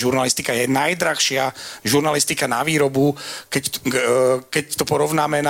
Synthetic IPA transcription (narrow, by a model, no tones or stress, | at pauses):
ʒuɾnalist̪ikajɛnajd̪ɾaxʃɪaʒuɾnalist̪ikanaʋiːɾɔbukɛ | kɛct̪ɔpɔɾɔʋnaːmɛna